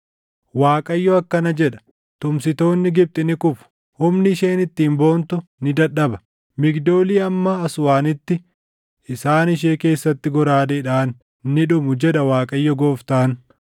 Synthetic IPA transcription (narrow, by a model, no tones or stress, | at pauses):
waːkʼɐjːɔɐkːɐnɐd͡ʒɛᶑɐ̥ | t̪ʊmsɪt̪o̞ːnːɪɡɪb̚t̪ʼɪnɪkʊfʊ̥ | hʊmnɪɪʃeːnɪt̪ːiːmbo̞ːnt̪ʊnɪd̪ɐᶑːɐbɐ̥ | mɪɡd̪o̞ːliːɐmːɐɐsʊwaːnɪt̪ːɪ | ɪsaːnɪʃ̬e̞ːke̞ːsːɐt̪ːɪɡɔɾaːd̪eːᶑaːnː | ɪᶑʊmʊd͡ʒɛᶑɐwaːkʼɐjːɔɡoːft̪aːn